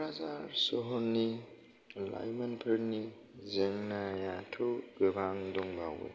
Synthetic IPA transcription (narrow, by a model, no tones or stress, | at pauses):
ɾazaɾsɔɦɔnːi | la̰jmanpʰɯɾni | zeŋnajatʰɔɡɯbaŋdɔŋbawḛ